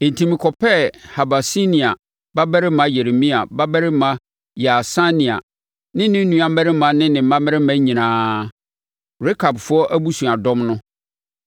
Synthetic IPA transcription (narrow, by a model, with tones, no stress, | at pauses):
e˨n̩˨tʰĩ˨mɪ̃˨kʰɔ˨pʰɛ˦ha˨ba˨si˦nĩ˨a˨ | ba˦bɛ˦ɾɪ˦mã˦je˨ɾe˨mĩ˦a˨ba˦bɛ˦ɾɪ˦mã˦ | ja˨sa˦nĩ˨a̰˨ | nɪ̃˦nɪ̃˦n˦nũ˨ã˨˦mɛ˦ɾɪ˦mã˨˦nɪ̃˦nɪ̃˨m̩˨˦mã˦m˦mɛ˦ɾɪ˦mã˦ɲĩ˨nãː˦ | ɾɪ˦kʰa˨bfʊ˦ɔ˦ʔæ˦bu˦sũ˨a˨dɔ̃˦mnʊ̃˦